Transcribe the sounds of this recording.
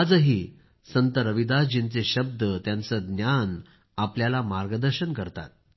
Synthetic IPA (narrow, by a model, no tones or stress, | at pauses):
ad͡zəɦiː | sənt̪əɾəʋid̪ad͡ʑint͡seɕəb̚d̪ʱət̪jant͡səɡnjan | apljalamaɾɡəd̪əɾɕənkəɾt̪a̰t̪̚